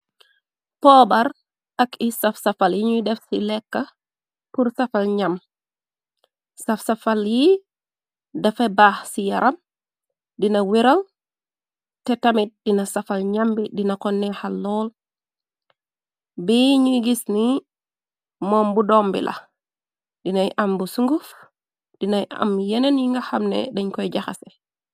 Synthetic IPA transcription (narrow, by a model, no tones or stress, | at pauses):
pɔːbaɾ | akisafsafaljiɲudɛfsilɛkːa | puɾsafalɲam | safsafalji | dɛfɛbaːhsijaɾʔam | dinawiɾal | tɛtamit̚dinasafalɲambidinakɔnːɛhalːɔl | biɲuɡisni | mɔːmbudɔmbḭlʔa̰ | dinajʔambusuŋɡuf | d̥inajʔa̰mjɛnɛnjiŋɡaxamnɛ̰dɛɲkɔjd͡ʒaxa̰sɛ